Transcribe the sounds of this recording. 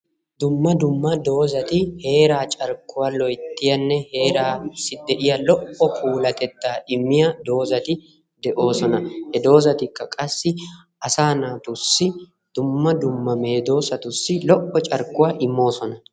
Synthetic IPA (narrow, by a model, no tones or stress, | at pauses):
d̪ʊmːɐd̪ʊmːɐd̪o̞ːzɐt̪ɪhe̞ːɾaːt͡ʃʼɐɾkːʊwalɔjt̪ːɪjɐnːɛhe̞ːɾaːsɪd̪ɛʔɪjɐlɔʔɔkʰuːlɐt̪ɛt̪ːaːʔɪmːɪjɐd̪o̞ːzɐt̪ɪ | d̪ɛʔo̞ːsɔnɐhɛd̪o̞ːzɐt̪ɪkːɐkʼɐsːɪ | ʔɐsaːnaːt̪ʊsːɪ | d̪̥ʊmːɐd̪ʊmːɐme̞ːd̪o̞ːsɐt̪ʊsːɪlɔʔɔt͡ʃʼɐɾkːʊwaʔɪmːo̞ːsɔnɐ